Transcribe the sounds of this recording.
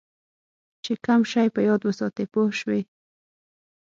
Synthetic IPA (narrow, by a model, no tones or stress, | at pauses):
t͡ʃɪkamʃajpajod̪wasot̪epʊʃwɪ